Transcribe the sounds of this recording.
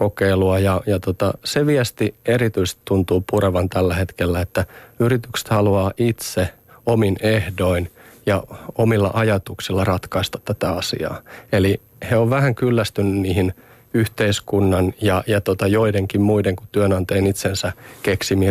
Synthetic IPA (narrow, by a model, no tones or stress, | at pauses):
kokeiluɑjɑjɑt̪ot̪ɑseʋiest̪ieɾit̪yist̪it̪t̪unt̪uːpuɾeʋɑnt̪ælːæhet̪kelːæet̪ːæyrit̪ykse̥t̪hɑluɑːʔit̪se | ominehdoinjɑomilːɑ̰ʔɑjɑt̪uksilːɑrɑt̪kɑist̪ɑ̥t̪t̪ːæt̪æɑsḭɑ̰ːeli | heoʋʋæhæŋkylːæst̪ynːynniːhin | yht̪eiskunːɑnjɑjɑt̪ot̪ɑjoideŋkimmuideŋku̥t̪yønɑnt̪eːnit̪sensækeksimi